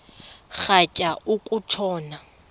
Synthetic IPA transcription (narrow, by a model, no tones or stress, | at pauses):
χacʼaukʼutʰɔːna